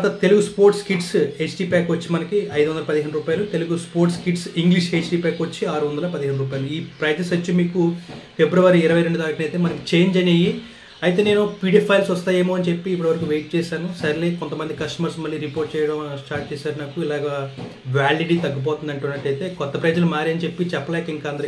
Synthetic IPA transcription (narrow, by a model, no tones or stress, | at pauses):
t̪ɐt̪e̞luɡuspoːɾʈskiʈset͡ʃʈiːpaːkʋɐt͡ʃːimɐnɐkiɐjd̪uʋɐnd̪ɐlɐpɐd̪iɦeːɳɖɾuːpaːjɐlut̪e̞luɡuspoːɾʈskiʈsiŋɡliʃet͡ʃʈiːpaːkʋɐt͡ʃːiaːɾuʋɐnd̪ɐlɐpɐd̪iɦeɳɖuɾuːpaːjɐluiːpɾɐjɐt̪nɐsɐt͡ʃːimiːkufe̞bɾuʋaɾiːɾɐʋɐjɾe̞ɳɖud̪aːɾikɐnɐjt̪eːmɐnɐki̥t͡ʃe̞ːɲd͡ʒɐneji | ɐjt̪e̞ːne̞ːnupiːɖeːpʰɐjlsɔst̪aːje̞ːmo̞ːɐnt͡ʃe̞pːiːpːuɽɐʋɐɾɐkuʋe̞ːjʈ̚t͡ʃɛːsaːnusɐɾilekont̪ɐmɐnd̪ikɐsʈɐmɐɾsmɐlːiːɾipoːɾʈ̚t͡ʃɛːjɐɽɐmɐsʈaːʈ̚t͡ʃɛːsaːɾnɐkːuilaːɡɐ | ʋaːliɖit̪ɐɡːip̬ɔːt̪und̪ɐɳʈunːɐʈːɐjt̪e̞ːkɔt̪ːɐpɾeːd͡ʒɐlumaːɾiɐnt͡ʃe̞pːit͡ʃɛpːɐlɛːkɐiŋkaːnd̪ɐɾ